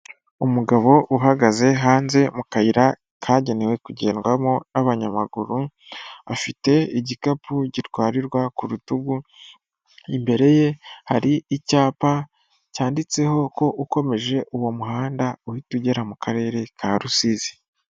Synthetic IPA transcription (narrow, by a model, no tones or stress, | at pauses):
umuɡaβo̞ʔuɦaɡaze̞ɦaːnze̞mukaiɾa | kʰaːɟe̞newe̞kuɟe̞̰ːnɡwamonaβaɲama̰ɡuɾu | afite̞iɟikapuɟitɡwaːɾiɾɡwakuɾutuɡu | imbe̞ɾe̞je̞haɾiicaːpa | caːndit͡se̞ho̞ko̞ʔuko̞me̞ʒe̞ʔuwo̞muɦaːndauhituɟe̞ɾamukʰaɾe̞ːɾe̞kʰaɾusiːzi̥